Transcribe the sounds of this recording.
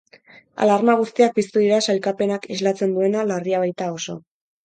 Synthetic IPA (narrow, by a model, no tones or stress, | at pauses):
a̰laɾmaɣ̞ust̪iak̚pist̪uðiɾasalkape̞nakezlat͡se̞nd̪ue̞nalariaβajt̪ao̞so̞̰